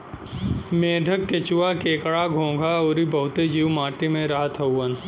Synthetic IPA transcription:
meːɖʱəkːet͡ʃʊwakeːkɽaɡʱõːɡʱaoːɾibɐɦʊt̪ed͡ʒiːwmaːʈemẽɾaɦət̪ʰɐʊːən

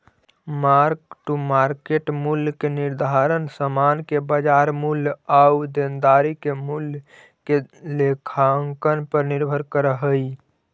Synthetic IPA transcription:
maɾkʈumaɾkeʈmuljkeniɾd̪ʱaɾənsəmankebəd͡ʒaɾmuljaud̪end̪aɾikemul | kelekʰaŋkənpəɾniɾbʱəɾkəɾəɦəj

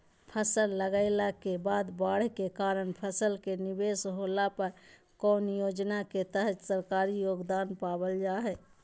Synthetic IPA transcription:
pʰəsəlːəɡəɪlakebad̪baɽ̤kekaɾənpʰəsəlkenibesɦolapəɾ | kɔnjod͡ʒnaket̪əɦət̪səɾkaɾijoɡd̪anpabəld͡ʒaɦɛ

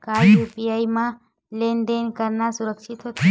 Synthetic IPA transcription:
kajjupiajmã | lend̪enkəɾnasuɾəksʰit̪ɦot̪ʰ

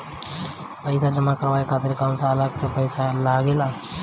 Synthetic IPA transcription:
pəɪsad͡ʒəmakəɾʋaːekʰaːt̪ɪɾkaːmsaələɡsepəɪsalaːɡela

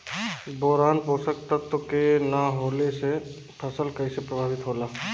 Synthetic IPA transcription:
bɔːɾaːnposək̚t̪at̪okenaɦoːlese | pʰəsəlkəisepɾəbʱaːʋɪt̪ɦoːlaː

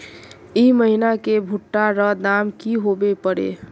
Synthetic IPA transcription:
iməɦinakebʱuʈːaɾəd̪amkiɦobepəɾḛ

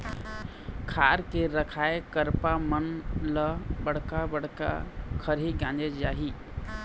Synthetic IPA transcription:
kʰaːɾkeɾəkʰaekəɾpamənləbəɽ̤kabəɽ̤ka̰kʰəɾɦiɡãnd͡ʒed͡ʒaːɦi

